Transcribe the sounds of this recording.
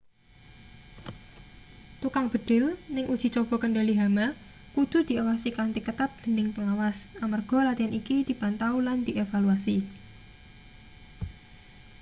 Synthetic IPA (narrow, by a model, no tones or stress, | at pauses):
t̪ukaŋb̥ə̤d̪̥ɪ̤lnɪŋʔud̥ʒ̥i̤t͡ʃob̥ɔ̤kəɳɖaliɦama | kud̪̥ṳd̪̥i̤awasikant̪ikət̪at̪̚d̪̥ə̤nɪŋpəŋawasamarɡ̥ɔ̤lat̪ianʔikid̪̥i̤b̥ant̪auland̪̥iʔefaluasi